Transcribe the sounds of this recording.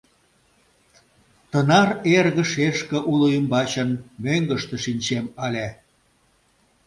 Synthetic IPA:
t̪ənɑrerɣə̆ʃeʃkə̆ʔuloymbɑt͡ɕənmøŋɡəʃt̪ĕʃinʲt͡ɕemɑlʲæ

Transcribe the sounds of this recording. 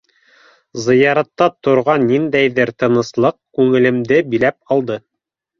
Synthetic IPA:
zɤ̆jɑɾɑt̪ːɑt̪ŏɾʁɑnːind̪æjðɘɾt̪ɤ̆nɤ̆slˠɤq̚kʉŋɘ̆lɘ̆md̪ɘbilæp̚ɑlˠd̪ɤ

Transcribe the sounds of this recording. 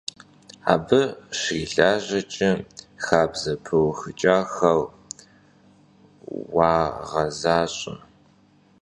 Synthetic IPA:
a̰ːbɨʃiːɮaːʑɐt͡ʃʼɪ | xaːbzɐpʰɨwxɨt͡ʃʼaːxɐl | waːʁɐzaːɕʼɐ̰

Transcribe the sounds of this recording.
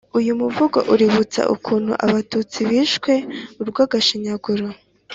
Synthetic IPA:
ujumuvuɡo̰ʔuɾiβut͡sa̰ʔṵkʰuːn̥hṵʔa̰βatut͡siβiːʃkwe̞uɾɡwaːɡaʃiɲaɡuɾo

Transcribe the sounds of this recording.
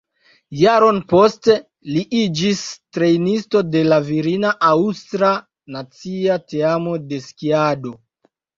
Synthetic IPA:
jaɾo̞npo̞ste | liʔid͡ʒistɾe̞jnisto̞de̞laviɾinaʔawstɾa | nat͡siateamo̞de̞skiado̞

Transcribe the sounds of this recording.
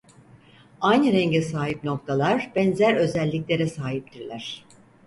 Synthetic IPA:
ajnɯɾɛɲɟɛsaːɦipno̞k̚t̪ʰalˠaɾb̥ɛnzæɾø̞zɛlʲːiclʲe̞ɾɛsaːɦip̚t̪ʰiɾlʲæɾ̝̥

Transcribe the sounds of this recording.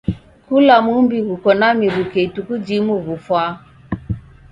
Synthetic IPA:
kulamumbiɣukɔnamiɾukeitukud͡ʒimuvufwa

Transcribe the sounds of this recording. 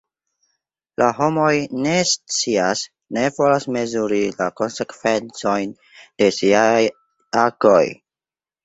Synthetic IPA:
laɦo̞mo̞jne̞st͡sias | ne̞vo̞lasme̞zuɾilako̞nse̞kve̞nt͡so̞jn | d̥e̞siaj | ako̞̰j

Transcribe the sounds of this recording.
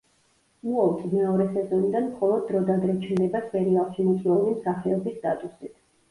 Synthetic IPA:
muɔt̪ʼimɛɔɾɛsɛzɔnid̪anmχɔlˠɔd̪̚ːɾɔd̪ad̪ɾɛt͡ʃʰnd̪ɛbaspʼɛɾialˠʃimɔt̪ʰʼiɔlimsaχɛɔbisːt̪ʼat̪ʼusit̪ʰ

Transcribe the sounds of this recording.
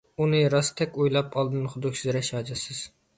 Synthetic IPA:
unɨɾɑst̪ʰɛkʲujlˠɑpʰɑlˠd̪ɨnχʊd̪ʊkʲsɪzɾɛʃɑːd͡ʒɛsɨz̥

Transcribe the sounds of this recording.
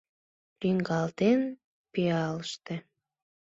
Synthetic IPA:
liŋɡɑlt̪en | piɑləʃt̪ĕ

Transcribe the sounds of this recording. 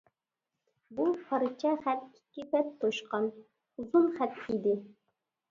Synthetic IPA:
bupʰɑɾɨt͡ʃʰɛχæt̪kʲʰi̥kʲːipɛt̪ʰːoʃqɑn | uzunχæt̪id̪ɪ

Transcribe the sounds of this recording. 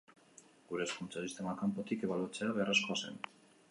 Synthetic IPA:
ɡuɾe̞ːskunt͡sasist̪e̞makampo̞t̪ikeβalut͡se̞aβearasko̞ase̞̰n

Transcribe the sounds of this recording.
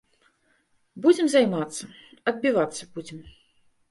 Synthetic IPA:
bud͡zʲɛmzajmat̪sːɐɐd̪̚bʲivat̪sːɐbud͡zʲɛm

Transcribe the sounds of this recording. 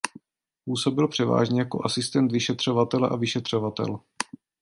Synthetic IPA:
puːsobɪlpr̝̥ɛva̰ːʒɲɛjako̞̰ʔasɪst̪ɛnt̪vɪʃɛt̪r̝̥ovat̪ɛlɛʔavɪʃɛt̪r̥ovat̪ɛ̰l

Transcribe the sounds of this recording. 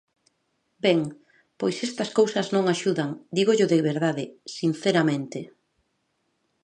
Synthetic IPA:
beŋ | pojsest̪ɐskowsɐznõŋaʃuðaŋd̪iɣoʎoðeβeɾðaðɪsin̟θeɾamẽnt̪ɪ

